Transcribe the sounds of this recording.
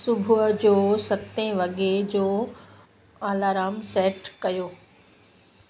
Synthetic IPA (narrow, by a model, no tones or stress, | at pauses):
sʊbʱud͡ʑoːsɐt̪ẽʋɐɡed͡ʑoː | aːlaːɾaːmseːʈkɐjoː